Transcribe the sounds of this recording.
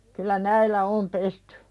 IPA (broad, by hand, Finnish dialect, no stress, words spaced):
kylˑæ næilːæ om pestẙ